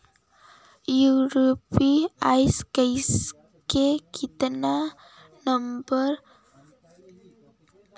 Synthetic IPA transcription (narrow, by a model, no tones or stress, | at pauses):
juɾopiajskejs | kekʰit̪əna | nəmbəɾ